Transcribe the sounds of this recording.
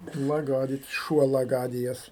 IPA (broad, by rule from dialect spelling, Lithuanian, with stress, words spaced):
mɐˈɡɑːrʲɪt͡ʃ ˈʃuɔ lˠɐˈɡɑːdʲɪjɛs